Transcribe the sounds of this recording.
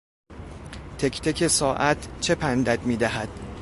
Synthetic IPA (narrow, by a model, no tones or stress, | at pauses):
t̪ʰecʰt̪ʰecʰesɒːʔæt̪ʰt͡ʃʰe̞pʰænd̪æd̪miːd̪æɦæd̪̥